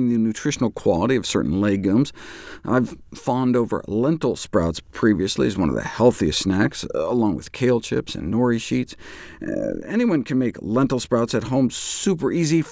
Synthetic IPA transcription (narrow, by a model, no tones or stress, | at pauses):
ŋðɨnʉtʰɹ̥ɪʃn̩l̩ˠkʰw̥ɑlˠəɾiʌv̥sɜ̰˞ʔn̩leɪɡũmzʔa̰ɪv̥fɑ̃ndoʊvə̰˞lɛ̃ntˡl̩ˠspɹaʊtspʰɹ̥iviɨslḭɨzwʌ̃nʌ̰vðɨ̰hɛlˠθiɨstsnæksəlɔ̃ŋwɨ̰ð̥kʰeɪlˠt͡ʃʰɪ̰psɨ̰̃nːɔɹiʃits | ɛniwʌ̃nkʰɨ̃nmeɪklɛ̃ntˡl̩ˠspɹaʊtsɨt̚ɦõʊ̃msʉpə˞ʔizif